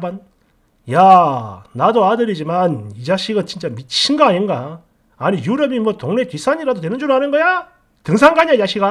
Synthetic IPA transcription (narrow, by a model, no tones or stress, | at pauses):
ban | ja | nadoadɯɾid͡ʑimanid͡ʑaɕʰiɡɯnt͡ɕint͡ɕ͈amit͡ɕʰinɡʌaɦaɲinɡaː | ɲijuɾʌbimwʌtoŋne̞kɥis͈ʰaɲiɾadotwe̞nɯnd͡ʑuɾɯɭɦanɯnɡʌja | tɯŋsʰaŋɡaɲad͡ʑaɕʰiɡa